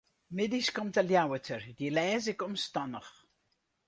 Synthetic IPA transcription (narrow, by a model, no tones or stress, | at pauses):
mɪdiskɔmtaljawətʰərdilɛːzɪkɔmstɔnəχ